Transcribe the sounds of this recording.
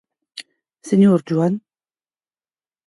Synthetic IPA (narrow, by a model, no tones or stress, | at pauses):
seɲoːɾd͡ʒuan